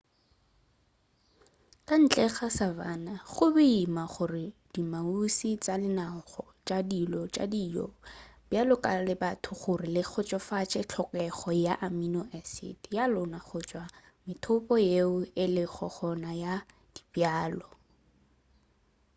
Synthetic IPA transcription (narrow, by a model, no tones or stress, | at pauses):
kʼan̩t͡ɬʼɛχasava̰ːnaχʊbɛimaχʊrɪd̥imausit͡sʼalɪnaŋ̩χɔ | t͡ʃʼadilɔt͡ʃʼa̰dijɔ̰bjalɔkʼalɪbatʰʊχʊrɪlɪχʰɔt͡ʃʼɔfat͡ʃʼɛt͡ɬʰɔkʼɛχɔjaʔaminɔʔɛsɪ̰tjalʊnaχʊt͡ʃʼwa | mɪtʰʊpʼɔjeʊɪlɪχʰɔ̰χɔnaja | d̥i̥bjaːlɔ